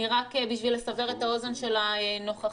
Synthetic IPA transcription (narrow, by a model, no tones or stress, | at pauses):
iʁakebiʃvile̞save̞ʁetao̞zenʃe̞laeno̞χa